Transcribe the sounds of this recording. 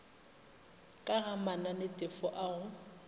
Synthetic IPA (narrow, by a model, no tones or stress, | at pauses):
kʼaɣamananɪtʼɪfɔʔaɣʊ